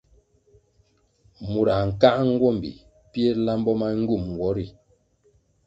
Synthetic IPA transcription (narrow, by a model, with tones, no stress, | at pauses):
mu˨ɾa˨ŋ̩˨ka˦ʔŋ̩˦ɡwɔ˦˨mbḭ˨ | pje˦la˦m˦bɔ˦ma˦ŋ̩˦ɡu˦˨m˨ɡwɔ˦ɾi˦˨